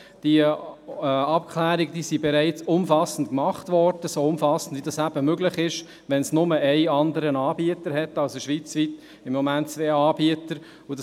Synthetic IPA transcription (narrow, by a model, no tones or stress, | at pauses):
d̥i | ɑpkχlæːɾiɡəd̥iːsibɛɾæɪt͡sʊmfɑsn̩tkmɑχtʋɔɾd̥əsoʊmfɑsən̩dvidɑsæb̥əmøɡlɪχɪʃ | ʋɛnsnʊməʔæɪɑndəɾənɑːbiətəɾhɛtːɑlsəʃʋit͡sʋit | ɪmːɔmæntt͡sʋeːɑːbiətəɾ | ud̥